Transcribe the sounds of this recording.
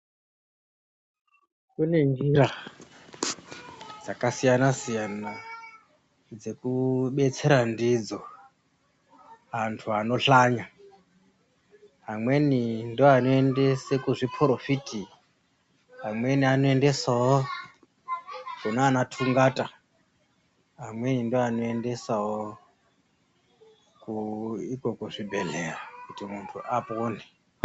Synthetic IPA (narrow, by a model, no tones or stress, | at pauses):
kune̞nd͡ʒiɾa | d͡zakasijanasijana | d͡ze̞kuɓe̞t͡se̞ɾandid͡zo̞ | antʰuano̞ɬaɲa | ɦamwe̞nindioanoe̞nde̞sekuʐipʰɾofitʼi | ɦamwenianoendesaɦo | ʐ̥inoanatʰuŋɡatʼa | ɦamwenindianoendesaɦwo | kuikokuʐibʱeɮerakutʼimuntʰuʔapʼoːni